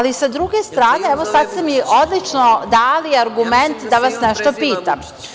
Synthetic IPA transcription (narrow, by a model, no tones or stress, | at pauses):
lisad̪ɾuɡe̞st̪ɾaːne̞ɛʋo̞sad̪st̪emiʔo̞d̪lit͡ʃnod̪aːliaɾɡument̪d̪aʋasnɛʃt̪o̞piːt̪am